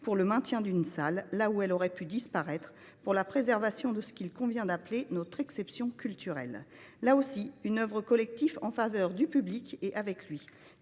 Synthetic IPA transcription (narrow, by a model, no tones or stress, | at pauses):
puʁləmɛ̃t̪jɛ̃d̪ynsalːauɛlɔʁɛpyd̪ispaʁɛt̪χə | puʁlapχezɛʁvasjɔ̃d̪əsə̥kilkɔ̃vjɛ̃d̪aplenɔt̪χɛksɛpsjɔ̃kʲylt̪yʁɛ̰lː | aosiynœvʁəkɔlɛk̚t̪ifɑ̃favœʁd̪ypyblikeʔavɛklɥi